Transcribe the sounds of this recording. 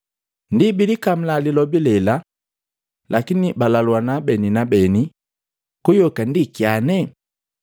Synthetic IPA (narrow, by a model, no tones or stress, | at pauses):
ndibilikam̩lalilɔbilɛla | lʔakinibalaluwanabɛninabɛni | kujɔkandikianɛ